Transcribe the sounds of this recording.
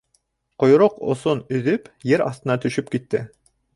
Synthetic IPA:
qŏjɾoqŏ̰sonɵ̆ðɵpjɘɾɑ̰θt̪ɤ̆nɑt̪ɵ̆ʃɵp̚kit̪ːɘ

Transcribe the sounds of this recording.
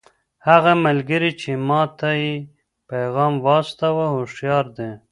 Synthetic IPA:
haɣamalɡəɾit͡ʃemɑt̪aje | pajɣɑmwɑst̪awahoʃjɑɾd̪e

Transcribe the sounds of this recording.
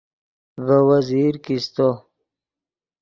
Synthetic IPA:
vəwaziɾkist̪o

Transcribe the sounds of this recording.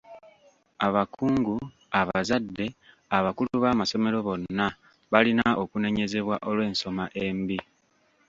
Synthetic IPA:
aβakʰuːŋɡu | aβazadːe̞ | aβakuluβaːmaso̞me̞ɾo̞βo̞nːa | βalinao̞kune̞ɲe̞ze̞βwaʔo̞lwe̞ːnso̞maʔe̞mbi

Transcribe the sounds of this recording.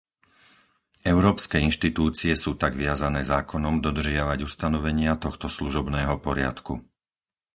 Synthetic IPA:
ʔɛʊɾɔːpskɛːinʃt̪it̪uːt͡siɛsuːt̪aɡʋɪazanɛːzaːkɔnɔmd̪ɔd̪r̩ʒɪaʋaɟust̪anɔʋɛɲɪat̪ɔxt̪ɔsluʒɔbnɛːɦɔpɔɾɪa̰t̪kṵ

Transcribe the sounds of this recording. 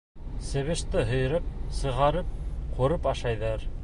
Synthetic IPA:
sɘ̆βɘ̆ʃt̪ɘɦɵ̆j̆ɾɤp̚sɤ̆ʁɑɾɤp̚qʰuɾɤpɑʃɑjðɑɾ

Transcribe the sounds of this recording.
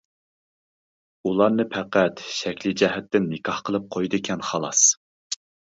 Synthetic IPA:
ulˠɑɾnɨpʰɛqæt̪ʃɛkʲlɪd͡ʒɛɦɛt̪ːɪnːɪkʰɑhqʰəlˠɨp̚qʰojd̪ɨkʲʰɛnχɑlˠɑs

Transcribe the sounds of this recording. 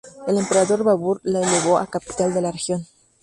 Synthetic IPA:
ele̞mpe̞ɾaðo̞ɾβaβuɾlaeleβo̞a̰kapi̥t̪ald̪e̞larexjo̞n

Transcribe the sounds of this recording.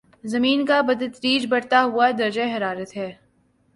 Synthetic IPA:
zɐmiːnkabɐd̪ət̪ɾiːd͡ʒbɐɽt̪aɦuad̪ɐɾd͡ʒeɦɐɾaːɾət̪ɦɛː

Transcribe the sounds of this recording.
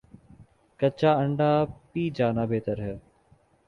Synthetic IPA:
kət͡ʃaːəɳɖaːpiːd͡ʒaːnaːbeːt̪əɾɦɛː

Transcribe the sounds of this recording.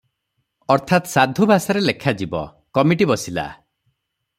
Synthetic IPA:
ɔɾt̪ʰat̪sad̪ʱubʱasaɾelekʰad͡ʒibɔ̰ | kɔmiʈibɔsila̰

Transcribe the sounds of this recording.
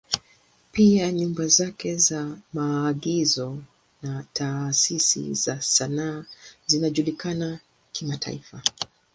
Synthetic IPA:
piaɲumbazakɛzamaːɠizɔ | natʰasisḭzasanaːzinaʄulikana | kimatʰa̰ifa

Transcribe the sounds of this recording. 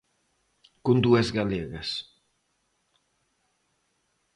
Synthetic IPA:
kund̪uezɣaleɣes

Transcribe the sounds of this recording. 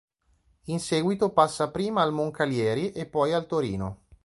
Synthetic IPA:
insɛːɡwit̪opasːapɾiːmaːlmoŋkaljɛːɾiʔepːɔjalt̪oɾḭːno

